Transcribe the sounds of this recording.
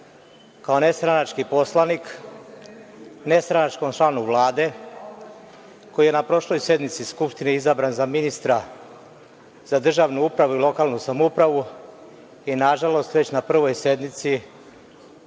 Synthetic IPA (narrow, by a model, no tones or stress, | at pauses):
kaone̞st̪ɾanat͡ʃkipo̞slˠanik | ne̞st̪ɾanat͡ʃkomt͡ʃlˠanuʋlˠaːd̪e̞ | ko̞jije̞napɾo̞ʃlo̞jsje̞d̪mit̪siskupʃt̪iniizabɾanzaminist̪ɾa | z̥ad̪r̩ʒaʋnuupɾaʋuilˠo̞kaːlnusamoupɾaʋu | inaʒalo̞st̪ʋe̞t͡ɕnapr̩ʋo̞jse̞d̪mit̪si